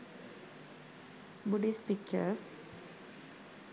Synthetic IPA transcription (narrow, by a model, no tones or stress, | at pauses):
buɖispik̚t͡ʃə̰ɾs